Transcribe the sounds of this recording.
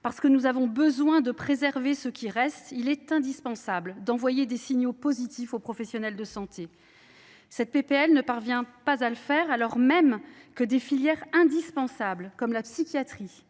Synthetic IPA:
paʁsə̥kənuzavɔ̃bəzwɛ̃d̪əpχezɛʁvesəkʲiʁɛst̪ilɛt̪ɛ̃d̪ispɑ̃sabld̪ɑ̃vwajed̪esiɲjopozit̪ifopχɔfɛsjɔnɛld̪əsɑ̃t̪e | sɛt̪̚pepeɛlnəpaʁvjɛ̃pazaləfɛʁalɔʁmɛmkəd̪efiljɛʁɛ̃d̪ispɑ̃sablkɔmlapsikʲjat̪χi

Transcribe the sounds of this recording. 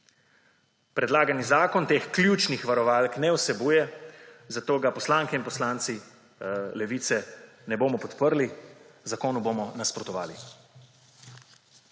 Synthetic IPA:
pɾɛd̪laːɡanizaːkɔnt̪eːxklʲjuːt͡ʃnixʋaɾɔʋaːlknɛwsɛbuːjɛzat̪oːɡapɔslaːŋkɛinpɔslaːnt̪si | lɛʋiːt̪sɛ | nɛboːmɔpɔt̪pəɾlizakoːnuboːmɔnaspɾɔt̪ɔʋa̰ːli

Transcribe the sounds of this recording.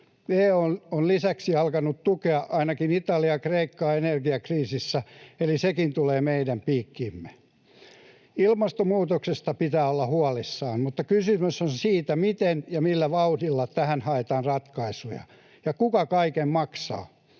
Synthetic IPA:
neːononlisæksiɑlkɑnut̪t̪ukeɑʔɑinɑkinit̪ɑliɑkreikːɑːenerɡiɑkriːsisːæelisekint̪uleːmeidæmpiːkːiːmːe | ilmɑst̪omuːt̪oksest̪ɑpit̪æːolːɑhuɑlisːɑːmmut̪ːɑkysymøsonsiːt̪æmit̪enjɑmilːæʋɑutilːɑt̪æhænhɑet̪ɑːnrɑt̪kɑisujɑ̰ | jɑkukɑkɑikemmɑksɑ̰ː

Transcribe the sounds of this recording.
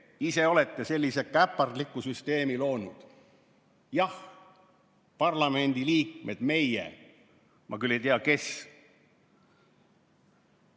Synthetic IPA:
ise̞o̞le̞t̪ːe̞se̞lʲːise̞kæpːˑɑrd̪likːusyst̪e̞ːmilo̞ːnud̪̥ | jɑh | pɑrlɑme̞nʲd̪̥iliːk̚me̞d̪̥me̞jḛ | mʔɑ̰kylːejt̪eɑke̞s

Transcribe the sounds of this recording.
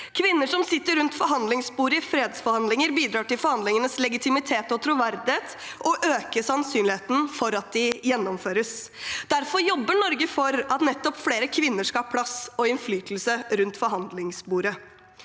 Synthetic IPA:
kʰʋɪnːəʂɔmsɪt̪ːəɾʉnt̪fɔɾɦɑnd̪lɪŋsbuːɾəɪfɾeːd̪sfɔɾhɑnd̪lɪŋəɾbiːd̪ɾɑːʈɪlfɔɾhɑnd̪lɪŋənəslɛɡɪt̪ʰɪmɪt̪ʰeːt̪ɔt̪ʰɾʊʋæɾd̪ɪheːt̪ | ɔʔøːkəsɑnsyːnlɪeːt̪n̩fɔɾɑt̪̚d̪ɪjɛnːɔmføːɾəs | d̪̥æɾfɔɾjɔbːəɳɔɾɡəfɔɾɑt̪nɛt̪ːɔpfleːɾəkʰʋɪnːəʂkɑlhɑpʰlɑsɔɪnflyːt̪l̩səɾʉnt̪fɔɾɦɑnd̪lɪŋsbuːɾə

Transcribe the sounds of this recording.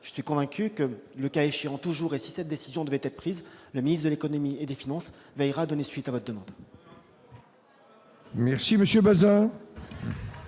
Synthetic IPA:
ʒ̥ə̥sɥikɔ̃vɛ̃kʲykələkaeʃeɑ̃t̪uʒuʁesi̥sɛt̪̚d̪esizjɔ̃d̪əvɛt̪ɛt̪χəpχizləminist̪χd̪əlekɔnɔmied̪efinɑ̃s | vɛjʁad̪ɔnesɥit̪avɔt̪χd̪əmɑ̃d̪ | mɛʁsiməsjøbazɛ̃

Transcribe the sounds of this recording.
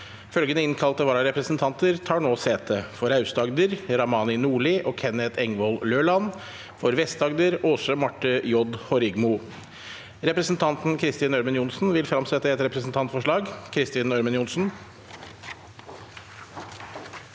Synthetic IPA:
fœlɡənəɪnkʰɑlt̪əʋɑːɾɑɾɛpɾəsnt̪ʰɑnt̪əɾt̪ʰɑːɳoːseːt̪ʰəfɔɾɑʉst̪ɑɡd̪əɾɾɑmɑːnɪnuːɭɪʔoːkʰɛnɛt̪ʰɛŋʋɔlløːɭɑn | fɔɾʋɛst̪ɑɡd̪əɾoːsəmɑʈːəjɔd̪hɔɾɪɡmʊ | ɾɛpɾəsn̩t̪ʰɑnt̪n̩kʰɾɪst̪iːnœɾmənjʊnsn̩ʋɪlfɾɑmsɛt̪ːəɛt̪ɾɛpɾəsn̩t̪ʰɑnt̪fɔʂɭɑːɡkʰɾɪst̪iːnœɾmənjʊnsn̩

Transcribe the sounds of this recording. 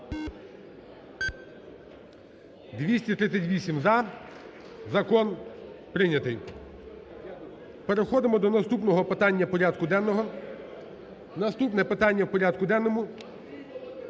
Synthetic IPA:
d̪ʋʲisʲtʲit̪ɾɪt̪sʲɐtʲʋʲisʲimzɐ | zɐkɔnpɾɪnʲɐt̪ɪj | pe̞ɾexɔd̪ɪmɔd̪ɔnɐst̪upnɔɦɔpɪt̪ɑnʲːɐpɔɾʲad̪kʊd̪ɛnːɔɦɔ | nɐst̪upnɛpɪt̪ɑnʲːɐwpɔɾʲad̪kʊd̪ɛnːɔmʊ

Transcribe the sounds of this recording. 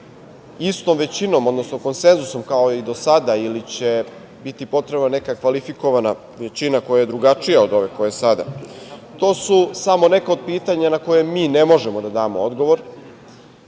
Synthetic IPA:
ist̪omʋe̞t͡ɕino̞mo̞d̪nosno̞ko̞nse̞nzuso̞mkaoid̪o̞sad̪ailit͡ɕe̞ | bit̪ipo̞t̪ɾebnane̞kakʋalifiko̞ʋana | ʋet͡ɕinako̞jaje̞d̪ɾuɡat͡ʂijaod̪o̞ʋe̞ko̞jesad̪a̰t̪o̞ːsusamo̞ne̞kao̞d̪̚piːt̪aɲanako̞je̞miːnemo̞ʒe̞mod̪ad̪aːmood̪ɡo̞ʋo̞ɾ

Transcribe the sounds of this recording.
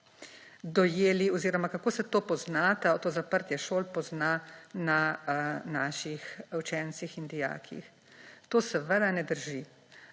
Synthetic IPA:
d̪ɔjeːliɔziːɾɔmakakoːsɛt̪oːpɔznat̪aot̪oːzapəɾt̪jɛʃoːlpɔznana | naːʃixwt͡ʃɛnsixind̪ija̰ːkʰḭx | t̪oːsɛʋəd̪anɛd̪əɾʒi

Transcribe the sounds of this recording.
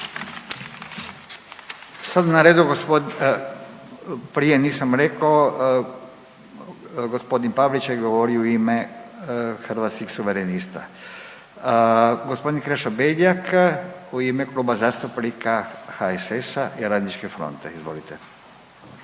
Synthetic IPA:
sad̪anaɾeːd̪uɡ | pɾijeniːsamɾekao | ɡospo̞d̪inpaʋlit͡ʃaɡo̞ʋo̞ɾiouime | xr̩ʋat̪skixsuʋeɾenist̪a̰ | ɡospo̞d̪inkɾeʃobeʎakuimeklˠuːbazast̪upnikaxaesesaʔiɾad̪nit͡ʃkefɾo̰nt̪eizʋo̞̰lit̪e

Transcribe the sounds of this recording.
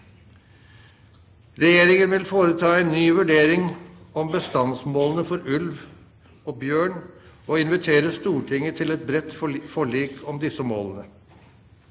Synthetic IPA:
ɾɛjeːɾɪŋənʋɪlfoːɾət̪ʰɑːɛɪnnyːʋʉɖeːɾɪŋɔmbəst̪ɑnsmoːlənəfɔɾʉlʋ | oːbjøːɳoːɪnʋɪt̪ʰeːɾəst̪uːʈʰɪŋːət̪ʰɪlɛt̪̚bɾɛt̪ːfɔɭiːkʰɔmd̪ɪsəmoːlənə

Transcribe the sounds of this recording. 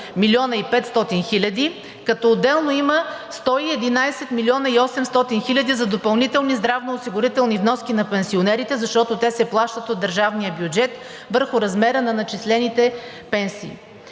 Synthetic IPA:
milʲiɔnɐipɛt̪st̪ɔt̪inxilʲɐd̪i | kɐt̪ɔod̪ːɛlˠnoiməst̪ɔiɛd̪inajsɛt̪milʲiɔnɐiɔsɛmst̪ɔt̪inxilʲɐd̪izɐd̪opɐlˠnit̪ɛlˠnizd̪ɾavnoːsiɡʊɾit̪ɛlˠnivnɔskʲinɐpɛnsionɛɾit̪ɛzɐʃt̪ɔt̪ot̪ɛsɛplˠaʃt̪ət̪od̪ːəɾʒavnijəbjud͡ʒɛt̪ | vəɾxʊɾɐzmɛɾənɐnɐt͡ʃislɛnit̪ɛ | pɛnsḭː

